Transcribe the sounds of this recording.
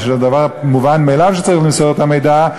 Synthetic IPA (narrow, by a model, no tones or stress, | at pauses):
ʃad̪avaʁmuvanmejlavʃɛt͡saʁiχlimsɔdɛt̪amejd̪a